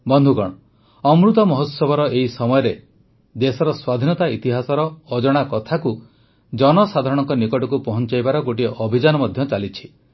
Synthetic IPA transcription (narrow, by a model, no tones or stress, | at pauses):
bɔnd̪ʱukɔɽ̃ɔ | ɔmɾut̪ɔmɔɦɔt̪sɔbʱɔɾɔeisɔmɔjɔɾe | d̪esɔɾɔswad̪ʱinɔt̪ait̪iɦasɔɾɔːd͡ʒɔɽ̃akɔt̪ʰaku | d͡ʒɔnɔsad̪ʱaɾɔɽ̃ɔŋkɔnikɔʈɔkupɔɦɔnt͡ʃajbaɾɔɡoʈiʔɔbʱid͡ʒanɔmɔd̪ʱjɔt͡ʃalit͡ʃʰi̥